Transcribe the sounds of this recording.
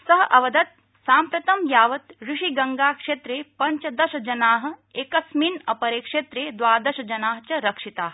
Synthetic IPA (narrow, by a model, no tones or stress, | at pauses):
sɐɦɐʔɐʋɐd̪ɐt̪̚ | saːmpɾɐt̪ɐmjaːʋɐt̪ɾuʂiɡɐŋɡaːkʂeːt̪ɾeːpɐɲt͡ʃɐd̪ɐʃɐd͡ʒɐnaːɦɐ̆eːkɐsminɐpɐɾeːkʂet̪ɾeːd̪ʋaːd̪ɐʃɐd͡ʒɐnaːɦɐt͡ʃɐɾɐkʂit̪aːɦ